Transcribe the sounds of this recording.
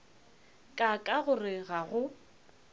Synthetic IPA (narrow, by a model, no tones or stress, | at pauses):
kʼakʼaɣʊrɪɣaɣʊ